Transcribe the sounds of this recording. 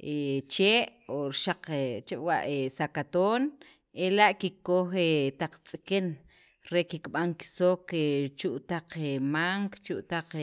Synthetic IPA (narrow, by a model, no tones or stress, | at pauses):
ʔet͡ʃeːʔoɾʃaq͡χet͡ʃeʔwa̰ʔesakat̪oːn | elaʔkikːoxet̪aq͡χt͡sʼiken | ɾekikɓaŋki̥soket͡ʃuʔt̪aq͡χemaŋkt͡ʃuʔt̪aq͡χ